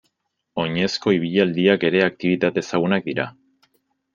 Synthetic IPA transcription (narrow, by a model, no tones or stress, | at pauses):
o̞ɲe̞sko̞iβ̞iʎald̪iake̞ɾe̞ak̚t̪iβ̞it̪at̪e̞saɣ̞unak̚d̪iɾa